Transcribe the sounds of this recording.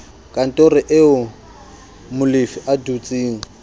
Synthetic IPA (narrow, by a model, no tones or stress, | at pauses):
kʼan̩tʼorɪʔɪʊ | mʊlifɪʔadut͡sʼiːŋ̩